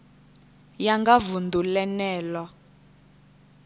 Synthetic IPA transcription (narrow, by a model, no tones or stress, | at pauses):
jaŋɡavundulɛnɛːlɔ